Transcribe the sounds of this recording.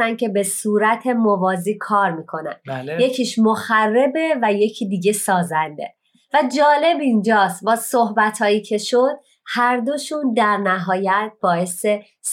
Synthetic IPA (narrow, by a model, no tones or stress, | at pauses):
ænd̪̚cʰe̞be̞suːɾæt̪ʰe̞movɒːziːkʰɒːɾmiːkʰo̞næ̰nje̞cʰiːʃmoxærːe̞be̞væje̞cʰiːd̪iːɟe̞sɒːzænd̪e̞̰ | væd͡ʒɒːle̞bind͡ʒɒːst̪̚bɒːsohbæt̪ʰhɒːjiːcʰe̞ʃo̞d̪̥̚ | hæɾd̪o̞ʃund̪æɾnæɦɒːjæt̪̚b̥ɒːe̞se̞ | s